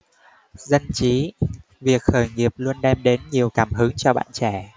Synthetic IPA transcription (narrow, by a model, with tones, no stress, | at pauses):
zə˧nt͡ɕi˨˦ | vi˨˩ək̚xəː˧˩jŋi˨˩əp̚lu˧ənɗɛ˧mɗe˨˦nɲi˨˩əwkaː˧˩mhɨ˨˦ŋt͡ɕɔ˧ɓa̰ː˧˨nt͡ɕɛ˧˩